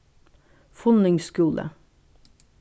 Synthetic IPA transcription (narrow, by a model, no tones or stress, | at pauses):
fʊnʏŋskuːlʔə̰